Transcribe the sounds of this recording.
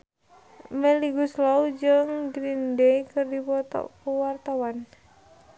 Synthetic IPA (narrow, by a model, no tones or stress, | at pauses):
mɛliɡuslaud͡ʒɨŋɡɾindekɨrdipɔt̪ɔ̰kuwart̪awan